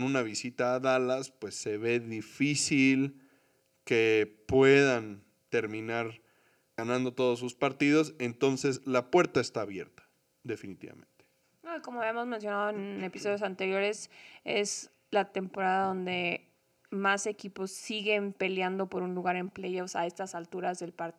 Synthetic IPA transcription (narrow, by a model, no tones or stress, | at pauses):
nũnaβisit̪aːðalaspwe̞sːe̞βe̞ðifisil | kepwe̞ðan | t̪e̞ɾmĩnaɾ | ɣanãnd̪o̞t̪o̞ðos̬ːuspaɾt̪iðo̞se̞nt̪o̞nse̞slapwe̞ɾt̪aest̪aːβje̞̰ɾt̪ḁ | ðe̞finit̪ḭβa̰mḛ̃nt̪e̥ | noiko̞moaβjamo̞zmẽns̬jo̞naðoene̞pi̥so̞ðjosant̪e̞ɾjo̞ɾe̞se̞̰s | lat̪e̞mpo̞ɾaðaðo̞nd̪e̞ | mase̞kipo̞sːiɣe̞mpe̞ljand̪o̞po̞ɾunluɣaɾe̞mplejofsa̰e̞st̪asalt̪uɾazðe̞lpaɾ